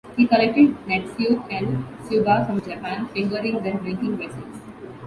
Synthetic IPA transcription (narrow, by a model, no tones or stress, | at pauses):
hiːkəlek̚ʈɪɖnɛʈfjutɛ̃ɳɖsubafɾɔ̃md͡ʒapãnfɪ̃ŋɡəɾɪ̃ŋd̪ɛ̃ɖɾɪ̃ŋkɪ̃ŋʋeːsɪs